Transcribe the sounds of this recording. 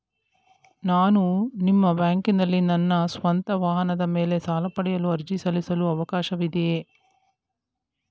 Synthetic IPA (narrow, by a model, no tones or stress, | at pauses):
naːnunimːɐbjaːŋkinɐlːinɐnːɐsʋɐnt̪ɐʋaːɦɐnɐd̪ɐme̞ːle̞saːlɐpɐɽɛjɐluɐɾd͡ʒisɐlisɐluɐʋɐkaːʃɐʋid̪ee